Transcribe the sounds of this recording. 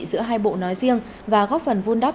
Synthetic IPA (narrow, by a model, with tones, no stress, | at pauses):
zɨ̰˧˥əɦaː˧jɓo̰˧˨nɔ˨˦jzi˧əŋ | vaː˨˩ɣɔː˦˥p̚fə˨˩nvu˧nɗa˦˥